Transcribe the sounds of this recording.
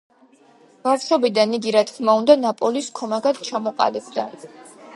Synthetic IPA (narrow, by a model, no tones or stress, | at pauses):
b̥afʃɔbid̪aniɡiɾat̪ʰkʰmaund̪anapʼɔliskʰɔmaɡad̪̥t͡ʃʰamɔqʼa̰lɛbd̪a